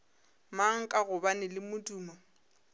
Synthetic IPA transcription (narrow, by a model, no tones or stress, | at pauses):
maŋ̩kʼaɣʊbanɪlɪmʊtʼuːma